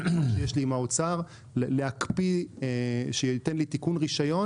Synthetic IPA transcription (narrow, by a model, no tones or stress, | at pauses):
ʃejeʃlimaot͡saʁ | lleakpi | ʃeitenlit̪ikunʁiʃajo̞